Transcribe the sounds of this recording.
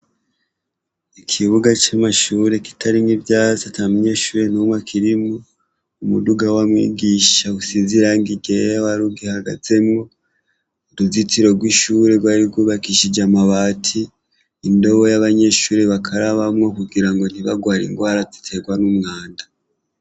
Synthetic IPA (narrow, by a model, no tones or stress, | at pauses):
ikʰiβuɡat͡ʃamaʃuːɾe̞ki̥taɾiŋivjaːzatamuɲe̞ʃuɾe̞nomwakʰiɾimo | umuduɡawamwḭːɡiʃausiziɾaŋɡiɡejawaɾuɡihaɡa̰ze̞mŋo̞ | duzitiɾo̞ɡwiʃuːɾe̞ɡwaɾiɡwoβakiʃid͡ʒamaβatʰiː | ndo̞βojaβaɲe̞ːʃuːɾeβakʰaɾaβamŋo̞kuɡiɾaŋɡo̞n̥iβaɡwaːɾḭŋɡwaːɾazi̥tʰe̞ɡwanumŋaːnda